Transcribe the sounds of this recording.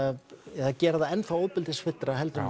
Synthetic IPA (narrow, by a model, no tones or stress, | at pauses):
ɛacɛːɾðaɛnfaoːwpɪlt̪ɪsfɪt̪ːɾaɦɛlt̪ʏn